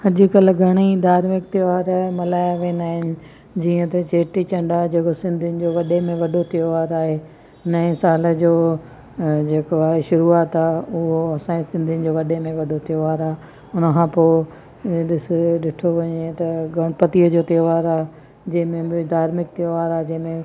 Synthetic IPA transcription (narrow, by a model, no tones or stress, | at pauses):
hɐd͡ʑʊ̆kɐlɡʱɐɽ̃id̪ʱaːɾmɪk̚t̪ɪʋaːɾmɐlaːjaʋẽːnaːɦɪnɪ̆ | d͡ʑiːə̃t̪ɐt͡ɕeːʈit͡ɕɐ̃ɳɖad͡ʑeːkosɪ̃nd̪ʱiʊnɪ̆d͡ʑoːʋɐɗemẽʋɐɖot̪ioʋaːɾaːɦeː | nɐẽsaːlə̆d͡ʑoː | d͡ʑeːkoaːɦeʃʊɾuaːt̪aːʊɦoɐsãːẽsɪ̃nd̪ʱɪənɪ̆d͡ʑoːʋɐɗemẽʋɐɖʱot̪ʰijoʋaːɾaː | ʊnəkʰãːpoː | ɗɪsɪɗɪʈʰoʋɐɲet̪ɐɡʱɐɽ̃ʊpɐt̪iəd͡ʑoːt̪ɪoʋaːɾaːɦe | d͡ʑɐ̃ɦɪ̃mẽbɪd̪ʱaːɾmɪk̚t̪ijoʋaːɾaːɦd͡ʑɐ̃ɦɪ̃mẽ